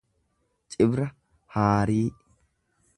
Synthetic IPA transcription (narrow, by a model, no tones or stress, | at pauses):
t͡ʃʼɪbɾɐ | haːɾiː